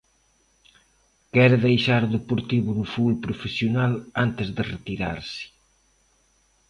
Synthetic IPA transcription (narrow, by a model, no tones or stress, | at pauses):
kɛɾeðejʃaɾoðepuɾt̪iβunufulpɾufesjonalant̪ezðeret̪iɾa̰ɾsɪ̥